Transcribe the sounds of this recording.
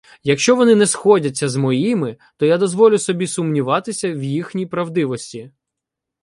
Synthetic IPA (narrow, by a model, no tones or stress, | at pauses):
jɐkʃt͡ʃɔʋɔnɪnɛsxɔdʲɐt͡sʲːɐzmɔjimɪ | t̪ɔjad̪ɔzʋɔlʲʊsɔbʲisʊmnʲiʋɑt̪ɪsʲɐwjixnʲijpɾɐwd̪ɪʋɔsʲtʲi